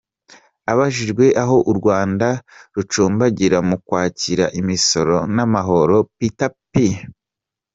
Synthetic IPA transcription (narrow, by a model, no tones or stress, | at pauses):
aβaʒiʒɡwe̞ʔaɦo̞ʔuɾɡwaːndaɾut͡ʃuːmbaɟiɾamukwaːciɾaʔimiso̞ɾo̞namaɦo̞ɾo̞pitapːi